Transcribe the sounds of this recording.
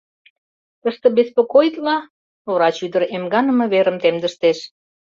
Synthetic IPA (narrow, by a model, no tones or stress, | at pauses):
t̪əʃt̪ɤ̆bespokojt̪lɑ | oɾɑt͡ɕyd̪əɾemɡɑnə̆mɤ̆βeɾəmt̪emd̪əʃt̪eʃ